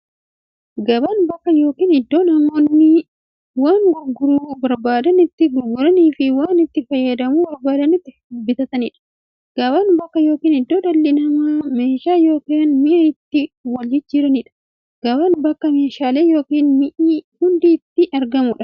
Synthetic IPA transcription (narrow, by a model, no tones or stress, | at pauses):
ɡɐbɐnbɐkːɐjo̞ːkiːnɪd̪ːo̞ːnɐmːoːnnɪ | waːŋɡʊɡːʊɾuːbɐɾbaːd̪ɐnɪt̪ːɪɡʊɾɡʊɾɐniːfɪwaːnɪt̪ːɪfɐjːɐd̪ɐmuːbɐɾbaːd̪ɐnɪt̪ːɪ | ʊbɪt̪ɐt̪ɐnɪᶑɐ̥ | ɡ̥ɐbɐnbɐkːɐjo̞ːkiːnhɪd̪ːo̞ːd̪ɐlːɪnɐmɐme̞ːʃaːjo̞ːkɪɐnmɪʔɐɪt̪ːɪwɐld͡ʒɪt̪̚d͡ʒɪɾɐnɪᶑɐ̥ | ɡ̥ɐbɐnbɐkːɐme̞ːʃaːleːjo̞ːkiːnmɪʔihʊnd̪iːt̪ːɪʔɐɾɡɐmʊᶑɐ̥